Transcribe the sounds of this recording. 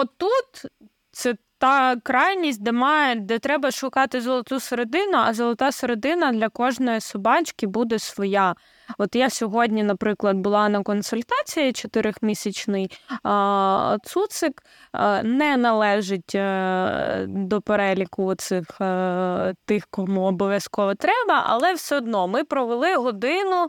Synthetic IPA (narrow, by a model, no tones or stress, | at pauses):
ɔt̪ːut̪ | t̪sɛ | t̪ɑkɾɑjnʲisʲt̚ʲd̪ɛmɑjɛd̪ɛt̪ɾɛbɐʃʊkɑt̪ɪzɔlˠɐt̪useɾed̪ɪnʊɐzɔlˠɔt̪ɑseɾed̪ɪnɐd̪lʲɐkɔʒnɔjisʊbɑt͡ʃkʲɪbud̪ɛsʋɔjɑ | ɔt̪jasʲɔɦɔdʲnʲinɐpɾɪklˠɐd̪̚bʊlˠɑnɐkɔnsʊlʲt̪ɑt͡sʲijit͡ʃɔt̪ɪɾɪxmʲisʲɐt͡ʃnɪj | t̪sut̪sɪk | nɛnɐlˠɛʒɪtʲ | d̪ɔpeɾɛlʲikʊɔt̪sɪx | t̪ɪxkɔmuɔbɔʋʲjɐskɔʋɔt̪ɾɛbɐʔɐ̰lˠɛwsɛɔd̪nɔmɪpɾɔʋelˠɪɦɔd̪ɪnʊ